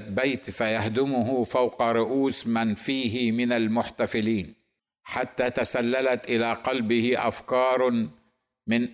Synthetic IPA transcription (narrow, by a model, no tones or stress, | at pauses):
bajt̪fajahd̪ɪmʊɦʊfawqɑɾˤʊʔuːsmanfiːɦɪmɪnalmʊħt̪afɪliːn | ħat̪ːaːt̪asalːalat̪ʔɪlaqɑlbɪhɪʔa̰fkɑːɾˤ | mɪn